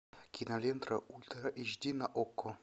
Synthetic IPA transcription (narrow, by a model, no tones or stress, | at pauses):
kʲʰinalʲent̪ɾaʔulʲt̪ɾaʔiʒd̪ʲinaʔokːo